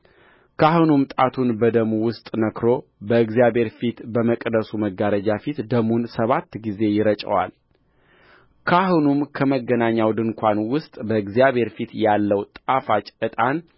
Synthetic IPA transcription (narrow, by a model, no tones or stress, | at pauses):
kʰahunumt̪ʼat̪ʰunbəd̪əmuwʊst̪ʼnəkɾo̞bəɨɡzijaβe̞ɾfit̪bəməkʼd̪əsuməɡːaɾəd͡ʒafit̪d̪əmunsəβat̪ːɡize̞jɪɾət͡ʃʼə̰wa̰l | kʰahunumkʰəməɡːənaɲːawd̪ɨŋkʷʰanwʊst̪ʼbəɨɡzijaβhe̞ɾfit̪jalːəwt̪ʼafat͡ʃʼɨt̪ʼan